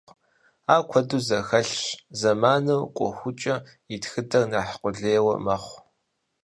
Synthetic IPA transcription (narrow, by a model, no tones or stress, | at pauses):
aːkʷʰɔduzɐxɐɬzɐmaːnɐwqʷʼɔ̰xʷʊt͡ʃʼɐ | itxɨdɐrnaːħqʷʊɮeːwɐ̰mɐχʷ